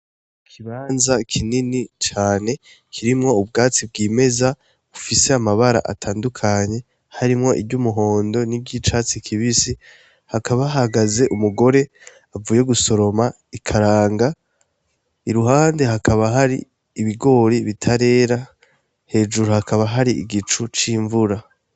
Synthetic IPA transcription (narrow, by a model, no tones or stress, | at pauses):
kʰiβaːnzakʰininit͡ʃaːne̞ | kʰiɾimŋo̞ub̚ɡaːt͡sib̚ɡiːme̞za | ufise̞amaβaɾa̰ʔa̰tʰaːndukʰaɲe̞ | haɾimŋo̞ʔḭbɟumuɦo̞ːndo̞nibɟit͡ʃaːt͡sikʰiβisi | hakʰaβaahaɡaze̞ʔumuɡo̞ɾe̞ | avuːje̞ɡuso̞ɾo̞ma | ikʰaɾaːŋɡa | iɾuhaːnde̞ɦakʰaβaɦaɾḭː | βiɡo̞ːɾiβitʰaɾe̞ːɾa | he̞ːʒuɾuhakʰaβaɦaɾiʔiɡit͡ʃut͡ʃiːɱvuɾa